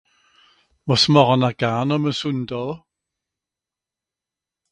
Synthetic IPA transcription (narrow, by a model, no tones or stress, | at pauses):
mɔsmɔʁɔnaɡ̥aːnɔməsʊndɔlˠ